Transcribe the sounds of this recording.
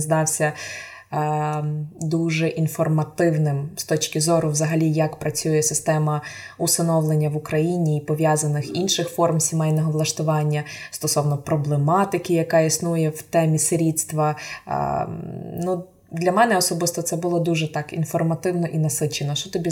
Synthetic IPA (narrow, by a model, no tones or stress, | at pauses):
zd̪ɑwsʲɐ | d̪uʒɛʔinfɔrmɐt̪ɪwnɪmst̪ɔt͡ʃkʲɪzɔɾʊʋzɐɦɐlʲijɐkpɾɐt͡sʲujɛsɪst̪ɛmɐusɐnɔʋlˠenʲːɐʋʊkɾɐjinʲiːpɔʋʲjɑzɐnɪxinʃɪxfɔrmsʲimɛjnɔɦɔʋlˠɐʃt̪ʊʋɑnʲːɐst̪ɔsɔwnɔpɾɔblˠemɑt̪ɪkʲɪjɐkɑisnujɛwt̪ɛmʲiseɾʲid̪st̪ʋɐ̰ | nu | d̪lʲɐmɛnɛɔsɔbɪst̪ɔt̪sɛbʊlˠɔd̪uʒɛt̪ɑkḭnfɔrmɐt̪ɪwnɔʔinɐsɪt͡ʃenɔʃt͡ʃɔt̪ɔbʲi